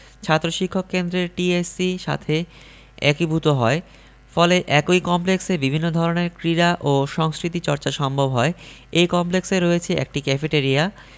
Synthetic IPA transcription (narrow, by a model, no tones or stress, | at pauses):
t͡ɕʰat̪ːɾoʃikʰːokːend̪ɾeɾʈiesiʃa̰t̪ʰe | ɛ̰kibʱut̪oɦɔe | fɔleʔɛkojkɔmpleksebibʱinːod̪ʱɔɾoneɾkɾiɾaʔoʃɔŋskɾit̪it͡ɕɔɾt͡ɕaʃɔmbʱobɦɔe | ejkɔmplekseɾoet͡ɕʰeʔɛ̰k̚ʈikɛfeʈeɾia